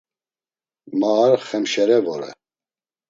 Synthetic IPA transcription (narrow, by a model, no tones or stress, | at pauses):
maːɾχɛmʃɛɾɛvɔɾɛ̰